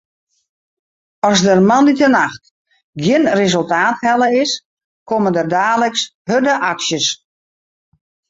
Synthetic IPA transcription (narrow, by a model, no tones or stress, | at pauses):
ɔzdərmanditənaxt | ɡjɪnrezølˠtaːthɛlˠəɪs | kʰoməndərdaːləkshødəʔaksjəs